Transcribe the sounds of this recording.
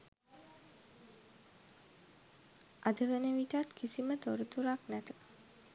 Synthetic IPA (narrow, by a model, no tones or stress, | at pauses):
ʔad̪əʋənəʋiʈat̪kʰisimət̪oɾət̪uɾaknæt̪ə̥